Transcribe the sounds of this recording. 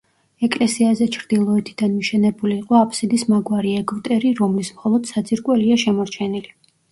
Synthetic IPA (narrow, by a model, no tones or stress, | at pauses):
ɛkʼlɛsiazɛt͡ʃʰɾd̪̥ilˠɔɛt̪ʰid̪anmiʃɛnɛbuliːqʼɔapʰʼsid̪ismaɡwaɾiɛɡvt̪ʼɛɾiɾɔmlismχɔlˠɔd̪̥sad̪zʼiɾkʼwɛliaʃɛmɔɾt͡ʃʰɛnili